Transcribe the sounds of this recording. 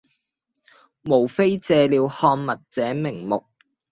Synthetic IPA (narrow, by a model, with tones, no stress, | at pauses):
mo˨˩wfe˥jt͡sɛː˧liː˨˧whɔː˧ŋmɐ˨t̚t͡sɛː˨˥mɪ˨˩ŋmʊ˨k̚